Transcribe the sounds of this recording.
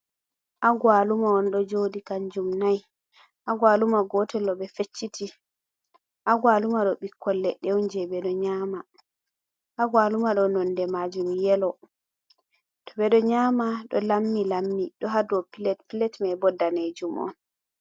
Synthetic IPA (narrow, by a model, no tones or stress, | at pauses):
ʔaɡwalumaɔnɗɔd͡ʒodikaɲd͡ʒumnaj | ʔaɡwalumaɡɔtɛlɔɓɛfet͡ʃːiti | ʔaɡwalumaɗɔɓikːɔlːɛɗɛwnd͡ʒɛɓɛɗɔɲaːma | ʔaɡwalumaɗɔnɔndɛmad͡ʒumjɛlɔ | tɔ̥ɓɛɗɔɲaːmaɗɔ̰lamːilamːiɗɔɦadɔpilɛtpilɛtmajbɔdːaned͡ʒumʔɔ̰n